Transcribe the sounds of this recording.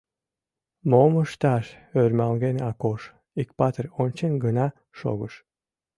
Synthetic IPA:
moməʃt̪ɑʃørmælɣenɑkoʃ | ikpɑt̪ərʲonʲt͡ɕenɡənɑ | ʃo̰ɣəʃ

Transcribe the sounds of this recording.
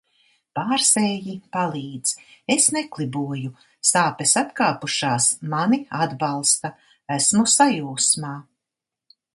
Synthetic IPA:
paːɾsɛːjipalˠiːd̪z̥esneklˠibuɔju | saːpesat̪kaːpuʃaːsmaniad̪balˠst̪a | æsmusajuːsmaː

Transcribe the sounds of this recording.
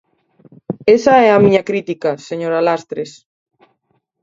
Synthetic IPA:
esaɛamĩɲɐkɾit̪ikaseɲoɾalast̪ɾes

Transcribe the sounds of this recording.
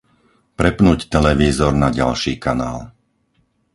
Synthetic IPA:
pɾɛpnuːct̪ɛlɛʋiːzɔɾnaɟa̰lʃiːkanaːl

